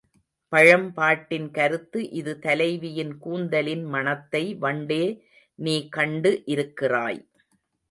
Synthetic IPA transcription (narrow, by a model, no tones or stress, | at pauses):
pɐɻɐmpaːʈːɪnkɐɾɯt̪ːɯʔɪðɯt̪ɐlɐɪʋɪjɪnkuːnd̪ɐlɪnmɐnɐt̪ːɐɪʋɐɳɖeː | niːkɐɳɖɯʔɪɾɯkːɪra̰ːj